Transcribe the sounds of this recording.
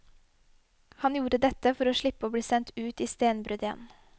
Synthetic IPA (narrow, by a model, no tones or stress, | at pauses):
hɑnjuːɾəd̪ɛt̪əfɔɾoːʃɭɪpːəoːbɽiːsɛnt̪ʉːt̪iːst̪eːnbɾʉd̪jɛ̰n